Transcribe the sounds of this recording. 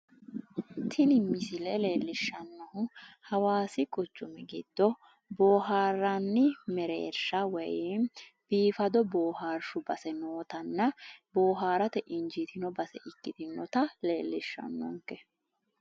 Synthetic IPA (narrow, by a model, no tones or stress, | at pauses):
t̪ʰɪnɪmːɪsɪlɛle̞ːlːɪʃːɐnːɔhʊhɐwaːsɪkʼʊt͡ʃːʊmɛɡɪ̰d̪̥ːɔ | bo̞ːɦaːɾanːɪmɛɾḛːɾʃɐwɛj | b̥iːfɐd̪ɔbo̞ːhaːɾʃʊbɐsɛnoːt̪ɐnːɐbo̞ːɦaːɾɐt̪ɛʔɪɲd͡ʒit̪ʰɪnɔbɐsɛ̰ʔɪkːɪt̪ɪnːɔt̪ɐle̞ːlːɪʃːɐ̰nːɔ̰ŋkːɛ